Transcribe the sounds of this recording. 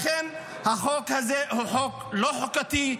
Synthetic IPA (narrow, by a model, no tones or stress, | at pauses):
χen | haχo̞khazehuħo̞klo̞ħokat̪i